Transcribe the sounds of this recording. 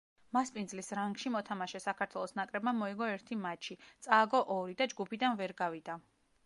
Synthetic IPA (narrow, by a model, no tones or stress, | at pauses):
maspʼind̪zlisɾaŋɡʃimɔt̪ʰamaʃɛsakʰaɾt̪ʰwɛlˠɔsnakʼɾɛbmamɔiɡɔɛɾt̪ʰimat͡ʃʰit̪sʼaːɡɔʔɔɾid̪ad͡ʒɡupʰid̪anvɛɾɡavid̪a